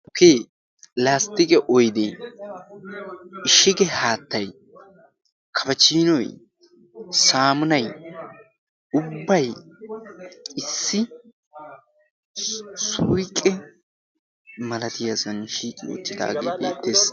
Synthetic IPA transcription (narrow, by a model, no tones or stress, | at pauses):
keː | laːst̪ɪkʼɛʔɔjd̪e | ɪʃɪɡɛhaːt̪ːɐj | kʰɐfɐt͡ʃːiːnɔj | saːmʊnɐj | ʊbːɐj | ɪsːɪ | sujkʼɛ | mɐlɐt̪ɪjasɐnʃiːkʼɪjo̰t̪ːɪd̪a̰ːɡḛːbḛːt̪ːeːs